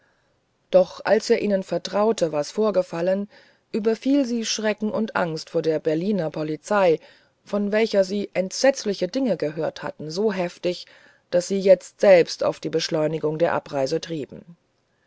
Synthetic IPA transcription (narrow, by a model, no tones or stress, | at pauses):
d̥ɔχʔa̰lseːɐʔiːnənfɛɐtʁ̥aʊtʰəvaːɐsfoːɐɡəfalən | ʔyːbɐfiːlziːʃʁ̥ɛkŋ̩ʔʊntʔa̰ŋstfoːɐdeːɐbɛɐliːnɐpʰɔlit͡saɪ | fɔnvɛlçɐziːʔɛntz̥ɛt͡slɪçədɪŋəɡəɦøːɐtha̰tn̩zoːɦɛftɪç | d̥asz̥iːjɛt͡stz̥ɛlpsta̰ʊfd̥iːbəʃlɔʏnɪɡʊŋdeːɐʔapʁaɪzətʁ̥iːbm̩